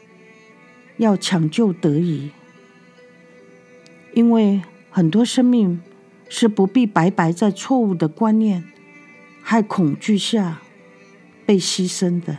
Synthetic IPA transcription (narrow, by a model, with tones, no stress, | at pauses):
jɑ˥˨˩ʊt͡ɕʰjɑ˨˥˦ŋt͡ɕjo˥˨˩ʊt̪ɤ˧˦i˨˦ | i˦nwe˥˩ɪ | xə˨˩nt̪wɔ˥ʂə˥ŋmi˥˩ŋ | ʂɻ̩˥˩pu˧˦pi˥˩pa˧˦ɪpa˧˦ɪt͡sa˥˧ɪt͡sʰwɔ˥˧u˥˩d̪ə˩kwa˦nnjɛ˥˨n | xa˧˥ɪkʰʊ˨˩ŋt͡ɕy˥˧ɕja˥˨ | pe˥˩ɪɕi˥ʂə˥nd̪ə˨